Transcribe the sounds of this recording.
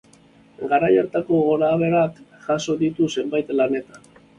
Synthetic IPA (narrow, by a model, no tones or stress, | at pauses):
ɡaɾajaɾt̪ako̞ɣo̞ɾaːβe̞ɾakʝaso̞ðit̪use̞mbajt̪lane̞t̪ḁn